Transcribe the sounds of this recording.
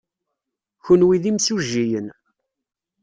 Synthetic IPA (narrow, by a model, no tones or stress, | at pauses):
çunwiðimsuʒːijən